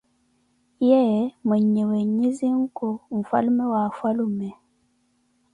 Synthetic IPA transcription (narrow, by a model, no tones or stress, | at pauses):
jɛməɲeweɲiziŋ̩koɱ̩fa̰lumɛwafalumɛ